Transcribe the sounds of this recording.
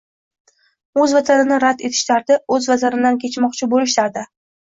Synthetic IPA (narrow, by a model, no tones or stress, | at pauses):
ɵzvat̪ʰanɪnɪɾad̪e̞t̪ʰɪ̥ʃlaɾd̪ɪɵzvazaɾɪd̪ankʲʰe̞t͡ʃmɒqt͡ʃʰɪbolɪʃlaɾd̪ɪ